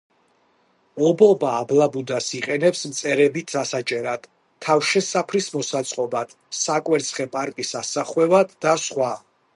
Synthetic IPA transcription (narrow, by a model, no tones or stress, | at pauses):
ɔbɔbaːblabud̪asiqʼɛnɛpsmt̪sʼɛɾɛbit̪asat͡ʃʼɛɾad̪̥ʰ | afʃɛsapʰɾismɔsat̪sʼqʼɔbad̪̥ | sakʼwɛɾt̪sʰχɛpʼaɾkʼisasaχwɛvad̪ːasχwa